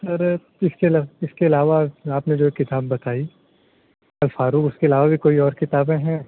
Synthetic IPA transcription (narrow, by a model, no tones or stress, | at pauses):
sɐɾ | ɪskeɐlaɪskeɐlaːʋaaːpned͡ʒoːekːɪt̪aːbːɐt̪aːi | ɐlfaːɾuːkʊskeɐlaːʋabʱikoːiɔːɾkɪt̪aːbẽɦɛ̃